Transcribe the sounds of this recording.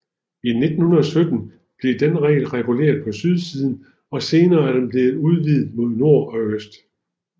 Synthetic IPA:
ine̝d̥n̩hunɐðˠɒ̽sød̥n̩ | b̥le̝d̥enʁɛ̰ːlʁɛɡ̥ule̝̰ːɐðˠpʰɒ̽syð̞ˠsiːð̞ˠn̩ | ɒ̽se̝ːnɐːæɐd̥emb̥le̝ːð̩ˠuð̞ˠʋḭːð̩ˠmo̝ð̞̰ˠno̝ɐ̰ɒ̽øsd̥

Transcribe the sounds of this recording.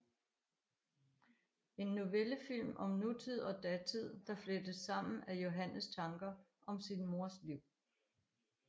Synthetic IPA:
e̝nːoʋeləfil̰mʔɒ̽mnut͡sʰið̞̰ˠɒ̽d̥ɛt͡sʰið̞̰ˠd̥ɑ̈flød̥əsːɑ̈m̰n̩æjo̝ɦænəst͡sʰɑ̈ŋɡ̥ɐ | ʔɒ̽msinmo̝ɐ̰sliʊ̰

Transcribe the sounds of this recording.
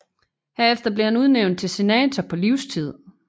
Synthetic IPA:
heɐefd̥ɐb̥leɐhænuð̞ˠneʊn̥̚t͡sʰe̝lse̝nɛ̰ːt͡sʰɐpʰɒ̽liʊst͡sʰið̰ˠ

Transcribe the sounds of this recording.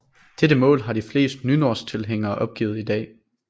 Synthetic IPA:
d̥eɾəmɔ̰̽ːlɦɑ̈ɾ̥ifle̝̰ːsd̥nyno̝ɐst͡sʰe̝lɦeŋ̰ɐːʔɒ̽b̥̚ɡ̥ḭʊð̞̩ˠid̥ɛ̰ː

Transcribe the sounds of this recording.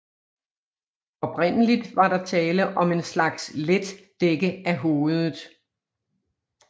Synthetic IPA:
ɒ̽pʰʁen̰əlid̥ʋɑ̈ɾɑ̈t͡sʰɛːləʔɒ̽me̝nslɑ̈ɡ̥sled̥ | d̥eɡ̥əæɦo̝ːð̩ˠ

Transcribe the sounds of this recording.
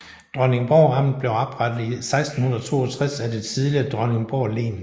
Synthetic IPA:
d̥ʁɶneŋb̥ɒʊʁɑ̈m̰ð̩ˠb̥le̝ʊɑb̥ʁad̥ð̩ˠisɑ̈ɪsd̥n̩hunɐðˠɒt͡sʰo̝̰ːɒt͡sʰʁasæd̥et͡sʰiðˠliɐd̥ʁɶne̝ŋb̥ɒʊ̰le̝̰ːn

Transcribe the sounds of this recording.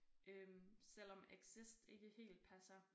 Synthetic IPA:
ʔømsel̰ɒ̽meɡ̥sisd̥e̝ɡ̥əhe̝̰ːld̥̚pʰæsɐ

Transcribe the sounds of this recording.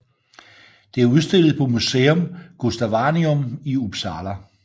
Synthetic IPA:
d̥e̝æɐuð̞ˠsd̥e̝l̰ð̩ˠpʰɒ̽museːɔmɡ̥usd̥æʋɑniɔ̽miub̥sɑːlæ

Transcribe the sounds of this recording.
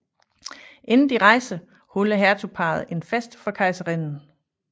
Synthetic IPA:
ʔe̝nn̩d̥iʁɑ̈ɪsə | hɔləɦæɐt͡sʰupʰɑ̈ːð̩ˠe̝nfesd̥fɒ̽kʰɑ̈ɪsəʁenn̩

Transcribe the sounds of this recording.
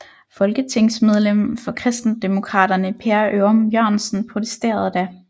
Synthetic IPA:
fɒ̽lɡ̥ət͡sʰe̝ŋ̰smeð̞ˠlem̰fɒ̽kʰʁɛsd̥n̩d̥emo̝kʰʁɑ̰̈ːd̥ɐnəpʰeɐʔømjøɐnsn̩pʰʁo̝t͡sʰe̥sd̥e̝̰ːɐð̞ˠd̥æ

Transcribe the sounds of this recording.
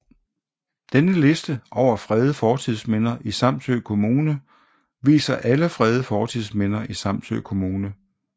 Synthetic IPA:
d̥enəle̝sd̥əʔɒʊ̰ɐfʁɛːð̞ˠəfɒːt͡sʰið̰ˠsmen̰ɐʔisɑ̈m̰t͡sʰøːkʰo̝muːnə | ʋḭːsɐʔæləfʁɛð̞ˠəfɒːt͡sʰiðˠsmen̰ɐʔisɑ̈m̰t͡sʰø̰ːkʰo̝muːnə

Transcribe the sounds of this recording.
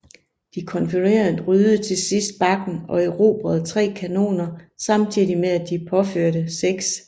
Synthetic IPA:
d̥ikʰɒ̽nfiʁḛːɐndʁyːððˠət͡sʰe̝sisd̥̚b̥ɑ̈ɡ̥n̩ɒ̽eʊʁo̝̰ːb̥ʁɐð̞̩ˠt͡sʰʁɛ̰ːkʰæno̝̰ːnɐsɑ̈mt͡sʰið̰ˠimeæd̥ipʰɒ̽føɐ̰ɾəseɡ̥s

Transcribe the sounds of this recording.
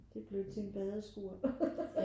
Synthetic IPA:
d̥e̝b̥lød̥t͡sʰe̝nb̥ɛðˠəsɡ̥uɐ

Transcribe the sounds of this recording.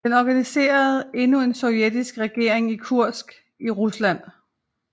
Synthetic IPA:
d̥enɒɡ̥ænise̝̰ːɐð̞̩ˠe̝nue̝nsɒ̽ʊjed̥isɡ̥ʁɛɡ̥e̝ɐ̰e̝ŋikʰuɐ̰sɡ̥ | iʁuslæn̰

